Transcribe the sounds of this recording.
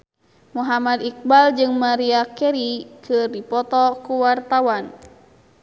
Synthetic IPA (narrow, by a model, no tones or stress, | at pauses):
muɦamad̪ik̚bald͡ʒɨŋmaɾiakɛɾikʰɨrdipɔt̪ɔkuwart̪awan